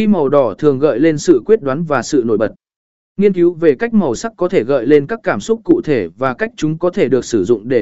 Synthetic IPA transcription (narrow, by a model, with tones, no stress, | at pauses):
i˧mə˨˩wɗɔ˧˩t̪ʰɨ˨˩əŋɣə̰ː˧˨jle˧nsɨ̰˧˨kwi˦˥ət̚ɗwaː˨˦nvaː˨˩sɨ̰˧˨no˧˩jɓə˨˩t̚ | ŋi˧ənki˨˦wve˨˩ka˦˥jk̟̚mə˨˩wsa˦˥k̚kɔ˨˦t̪ʰe˧˩ɣə̰ː˧˨jle˧nkaː˦˥kːaː˧˩msʊ˦˥k͡p̚kːṵ˧˨t̪ʰe˧˩vaː˨˩ka˦˥jk̚t͡ɕʊ˨˦ŋ͡mkɔ˨˦t̪ʰe˧˩ɗɨ˨˩ək̚sɨ˧˩zʊ̰˧˨ŋ͡mɗe˧˩